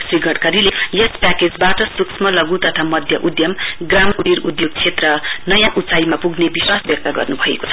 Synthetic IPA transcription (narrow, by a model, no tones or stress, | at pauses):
sriɡʱʌɽkaɾilejʌspaked͡zbaʈʌsuksʰmʌlʌɡut̪ʌt̪ʰamʌd̪ʱjʌʔud̪jʌmɡramuɽiɾud̪joɡ̚t͡sʰet̪rʌnʌjãʔut͡saimapuɡnebiswasbjʌk̚t̪aɡʌ̰rnubʱʌḛko̥t͡sʰʌ̥